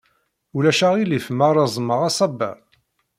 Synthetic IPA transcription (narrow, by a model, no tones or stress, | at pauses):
ulæʃæʁilifmaɾˤɑzˤməʁɑsˤɑbə̰